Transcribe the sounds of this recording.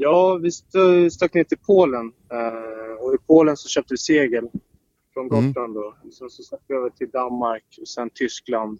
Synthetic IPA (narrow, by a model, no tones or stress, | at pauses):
jɑːvɪst̪st̪akːneːt̪ʰɪlpʰoːlən | ɔɪpʰoːlənsɔɕœːp̚t̪əvɪseːɡəl | fɾɔnɡɔt̪land̪ɔɔsɛnsɔst̪ak̪̚ːvɪøːvəʈʰɪld̪anmaɾkɔsɛnt̪ʰʏskland̪